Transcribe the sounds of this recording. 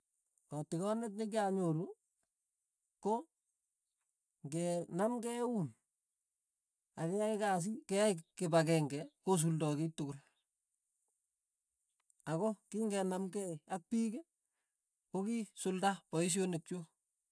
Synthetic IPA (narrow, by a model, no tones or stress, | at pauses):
kɔtɪkɔnɛt̬̚nɪk̬jaɲoɾu | ko | ŋɡɛnamkɛwun | akɛjaɪkas̬ikɛaikkebak̬ɛŋɡɛkos̬uldɔkitʊkʊl | akokiŋɡɛnamkɛak̚pike | kokisʊldapɔis̬jonek̚t͡ʃo